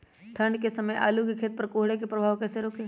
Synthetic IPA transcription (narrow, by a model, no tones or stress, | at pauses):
t̪ʰɐɳɖkesɐməjʔa̰ːlukekʰeːt̪̚pɐɾkoːɦɽek̬epɾɐbʱaːʋkɛːseɾoːkeː